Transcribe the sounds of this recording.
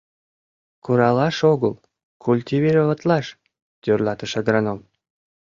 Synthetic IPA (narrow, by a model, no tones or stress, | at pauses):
kuɾɑlɑʃoɣəl | kʰulʲt̪ʲivʲiɾovɑt̪lɑʃ | t̪ʲørlɑt̪əʃəd̪ɾɑnom